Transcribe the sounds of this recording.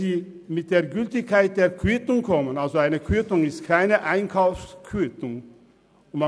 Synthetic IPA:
iː | mɪt̪̚d̪eːɾɡʏlt̪ɪçkʰːaɪt̪̚d̪eːɾkʰyt̪ʊŋkʰɔmənalsoaɪnəkʰyt̪ʊŋɪst̪kʰaɪnəʔaɪnkʰɑʊfskʰyt̪ʊŋ | ʊma

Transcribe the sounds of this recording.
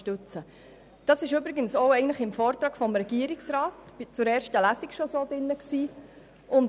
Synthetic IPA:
ʃtʉt͡sə | d̥ɑsɪʃybɾiɡənsɔʊɛɪɡəntləχɪmfɔːɾt̪ɾɑːkfɔmɾɛɡ̥iːəɾɪksɾɑːtb̥ɪt͡sʊɾɛːɾʃtəlæsikʃɔsoːdɪnːəksiː | ʊn

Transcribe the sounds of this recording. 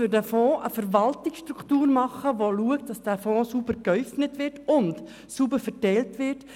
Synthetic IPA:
ʏɾdæfɔ̃ːʔəfəɾvɑltɪksʃtɾukʰtuːɾmɑχəʋoluəktdɑsd̥æːfɔ̃ːsubəɾkœʏfnətʋɪɾtʊnt | subəfɛtɛɪltʋɪt

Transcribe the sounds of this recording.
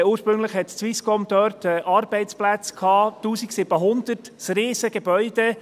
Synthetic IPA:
uːʃpɾʏŋləχhɛtt͡sʋiskɔmd̪œɾtɛʔɑɾb̥ɛɪt͡splæt͡skʰhɑːtuːsiksɪb̥əɦʊnd̪ərt | sriːsəɡ̥ebœʏd̥̪e

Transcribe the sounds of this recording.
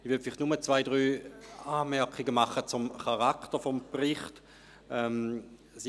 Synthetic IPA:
ivyɐfɪliχtnumət͡svaɪd̥ʁyːaːmɛɐkχiɡəmaχət͡sʊmχaʁaktəfɔmpʁɪχt | ɛm | si

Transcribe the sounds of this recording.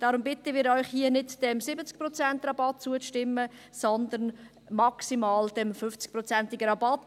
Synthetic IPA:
d̥ɑːɾʊmbɪt̪əʋiːɾɔʏχhiənɪdd̥ɛmsɪbət͡sk̚pɾɔt͡sɛnt̪rɑbɑt̚t͡suəʃtɪmːə | sɔnd̪əɾn | mɑksimɑːld̥ɛmfʏft͡sk̚pɾɔt͡sæntɪɡəɾɑbɑt

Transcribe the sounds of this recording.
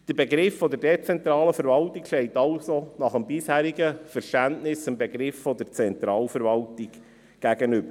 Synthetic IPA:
d̥əɾbeɡɾɪfːɔd̪əɾdet͡sɛnt̪ɾɑːləfəɾvɑltikʃtɛɪtɑlsonɑχəmbɪshæːɾiɡəfəɾʃtæntnɪsɪmbeɡɾɪfːɔd̥əɾt͡sɛnt̪ɾɑːlfəɾvɑltɪɡ | ɡ̥æɡənʏbə

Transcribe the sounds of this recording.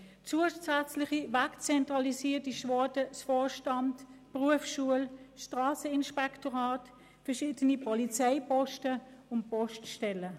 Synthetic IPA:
t͡suəsæt͡slɪχivakt͡sɛntʁɑlisiːtiʃvɔdəsfɔːʃtɑndpʁuəfʃuəlʃtʁaːsəɪnʃpɛktoʁaːt | fɛɐʃiːdənipʰɔlit͡saɪpɔʃtəʊnt̚pɔʃtʃtɛlə

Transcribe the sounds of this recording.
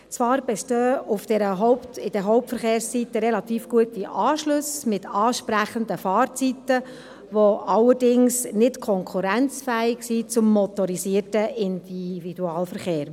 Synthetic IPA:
t͡sʋɑːɾb̥ɛʃtøːʊfd̥ɛɾəɦɔʊptɪd̥ɛɦɔʊp̚tfəɾχeːɾssit̪ːəɾelɑt̪iːfɡ̥uətiʔɑːʃlʊsmɪtʰɑːʃpɾæχənd̪əfɑːɾt͡sit̪ə | ʋoʔɑlːəɾdɪŋsnɪtkʰɔŋkʰuɾænt͡sfæːɪɡ̥sit͡sʊmːɔt̪ɔɾisiːəɾtəɪnd̥ivid̥uɑːlfəɾχeːɾ

